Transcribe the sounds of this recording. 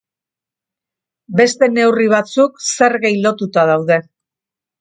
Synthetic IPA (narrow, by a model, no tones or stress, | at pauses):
be̞st̪e̞ne̞wriβ̞at͡sukse̞ɾɣejlo̞t̪ut̪að̞awðe̞